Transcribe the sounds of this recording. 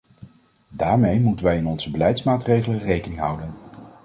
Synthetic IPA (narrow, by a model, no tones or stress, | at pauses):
daːɹmejmutənʋɛjɪnɔnz̥əbəlɛjtsmaːtrejχələrejkənɪŋɦʌwdən